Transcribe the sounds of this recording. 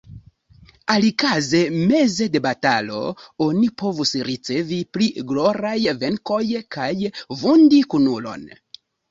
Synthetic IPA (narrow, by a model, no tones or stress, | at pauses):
alikaze̞me̞ze̞de̞batalo̞̰o̞nipo̞vusɾit͡se̞vipliɡlo̞ɾajve̞ŋko̞jkajvundikunulo̞̰n